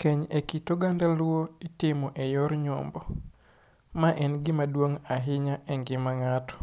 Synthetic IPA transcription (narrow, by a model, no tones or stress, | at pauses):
kʰɛɲekitoɡandalwoitɪmɔʔɛjɔɾɲɔ̰mbɔ | maʔɛnɡɪmadwoŋaɦɪɲaʔɛŋɡɪmaŋatɔ̥